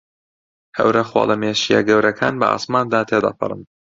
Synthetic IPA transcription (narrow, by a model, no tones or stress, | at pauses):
hɐ̰wɾɐxwo̰ːlɐmeːʃijɛ̰ɡɐwɾɐkʰaːnbɐ̰ʔa̰ːsmaːnd̪aːt̪ʰed̪ɐ̰pʰɨɾˤɨn